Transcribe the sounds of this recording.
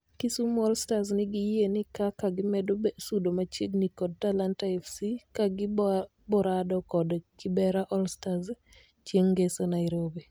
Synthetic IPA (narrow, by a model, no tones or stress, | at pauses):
kɪsumɔlstaznɪɡɪjenɪkakaɡɪmɛdosudomat͡ʃeɡnikɔd̚talantaɛfsikaɡɪ | bɔɾadɔkɔdkɪbɛɾaʔɔlstaz | t͡ʃjeŋɡesonaɪɾobi